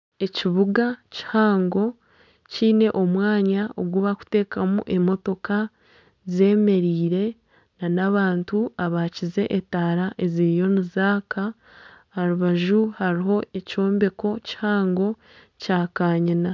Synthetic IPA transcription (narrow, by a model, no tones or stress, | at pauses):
e̞ciβuɡaci̥haːŋɡo̞ | ciːne̞ʔo̞mwaːɲaoɡwuβaku̥te̞ːkamṵʔe̞mo̞to̞ka | ze̞ːme̞ɾiːɾe̞ | nanaβaːntuaβaːcize̞ʔetaːɾaʔe̞ziɾijo̞nizaːkaː | ɾuβaʒuhaɾiɦo̞e̞co̞ːmbe̞ko̞ci̥haːŋɡo̞ | caːkaːɲina